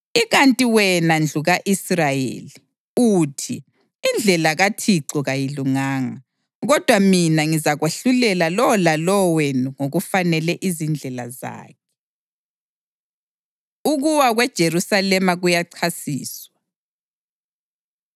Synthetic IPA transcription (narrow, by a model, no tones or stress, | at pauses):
iɣantʼiwɛnand͡ɮʱuɣaʔisrajḛli | utʰiː | nd͡ɮʱɛlaɣatʰiǀɔɣajiluŋaːŋa | ɣɔd̥ʱwaminaŋizaɣweɬulɛlalɔlalɔwenuŋoɣufanɛlɛʔizind͡ɮʱɛla̰za̰ːk̚ʰɛ̥ | uɣuwaɣwɛd̥ʒ̥ʱeɾusalɛmaɣujaǀʰasiːswa